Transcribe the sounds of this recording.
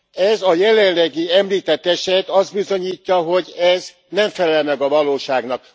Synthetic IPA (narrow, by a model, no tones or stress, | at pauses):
ɛzɒjɛlɛnlɛɡiɛmliːt̪ɛt̪ːɛʃɛt̪ɒzd̪bizo̞ɲiːcːɒɦoɟɛz | nɛɱfɛlɛlmɛɡɒvɒloːʃaːɡn̪ɒk